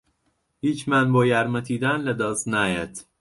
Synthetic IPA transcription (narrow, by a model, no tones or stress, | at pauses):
hiːt͡ʃʰmænbɒːjæɾmæt̪ʰiːd̪ænled̪ɒːznæjæd̪̥